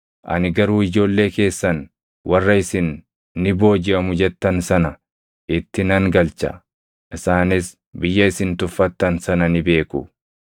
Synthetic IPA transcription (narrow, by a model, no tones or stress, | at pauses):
ʔɐ̰nɪɡɐɾuːɪd͡ʒo̞ːlːe̞ːke̞ːsːɐn | wʔɐrːɐɪsɪnː | ɪbo̞ːd͡ʒɪɐmʊd͡ʒɛt̪ːɐnsɐnɐ | ʔɪt̪ːɪnɐŋɡɐlt͡ʃɐ̰ | ʔɪsaːnɪs | bɪjːɐɪsɪnt̪ʊfːɐt̪ːɐnsɐnɐnɪbe̞ːkʊ